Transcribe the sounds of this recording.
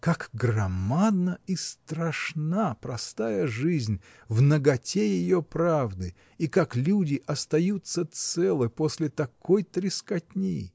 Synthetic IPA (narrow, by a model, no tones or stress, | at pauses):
kakɡrɐmad̪nəist̪ɾɐʂnapɾɐst̪ajəʐɨzʲnʲ | vnəɡɐtʲejɪjopɾavd̪ɨ | ikaklʲudʲɪʔɐst̪ɐjut̪sːət̪sɛlˠɨposʲlʲɪt̪ɐkʰojt̪ɾʲɪskɐtʲnʲḛj